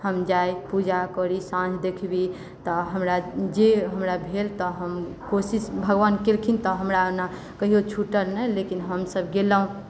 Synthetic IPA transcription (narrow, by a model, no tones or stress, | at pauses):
həmd͡ʒajpud͡ʒakəɾisãd͡ʒd̪ekʰbi | t̪ɔɦəmɾad͡ʒeɦəmɾabʱelt̪ɔɦəmkosisbʱəɡwankelkʰint̪ɔɦəmɾana | kəɦijot͡ʃʰuʈəlnɛjlekinɦəmsəbɡeləũ